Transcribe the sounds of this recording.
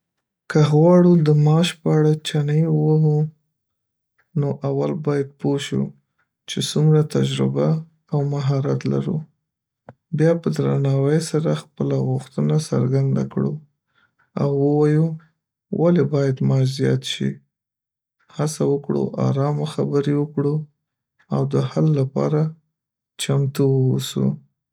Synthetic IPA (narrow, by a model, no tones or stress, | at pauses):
kaɦwɑɽud̪əmɑʃpəaɽat͡ʃanəjwəɦu | noʔawalbɑjad̪̚poʃṵ | t͡ʃesumɾat̪ad͡ʒɾɪba | awmaɦɑɾat̪la̰ɾṵ | bjɑpəd̪ɾanɑwəjsaɾaxpəlaɣʊxt̪ənasa̰ɾɡand̪a̰kɽu | awːəwɑju | wʔalebɑjad̪mɑd͡ʒzjɑ̰t̪ʃḭ | hasawəkɽṵʔɑ̰ɾɑmaxabəɾiwəkɽu | awd̪əhalːapɑ̰ɾa | t͡ʃamt̪uwwosṵ